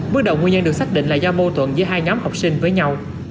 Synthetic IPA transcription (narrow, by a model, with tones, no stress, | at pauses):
ɓɨ˦˥t̚ɗə̰˨˩wŋ͡mŋi˧ɲə˧nɗɨ˨˩ək̚saː˦˥k̚ɗḭ˧˨ŋ̟laː˨˩zɔ˧mo˧t̪wə̰˧˨nzɨ˨˦jɦaː˧jɲɔ˨˦mha˨˩wk͡p̚si˧ŋ̟vəː˨˦jɲa˧w